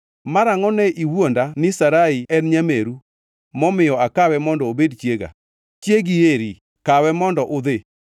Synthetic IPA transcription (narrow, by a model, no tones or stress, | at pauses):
maɾaŋɔnɛʔiwwondanɪsaɾaiɛnɲameɾu | mɔmɪjɔakawɛmɔndɔobedt͡ʃjeɡa̰ | t͡ʃjeɡieɾi | kawɛmɔndɔʔʊd̪e